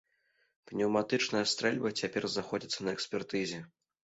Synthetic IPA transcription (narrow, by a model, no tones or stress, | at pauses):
pnʲɛwmat̪ɨt͡ʂnɐjɐst̪ɾɛlʲbɐt͡sʲapʲɛrzaxɔd͡zʲit̪sːɐnɐɛksʲpʲɛrt̪ɨzʲɛ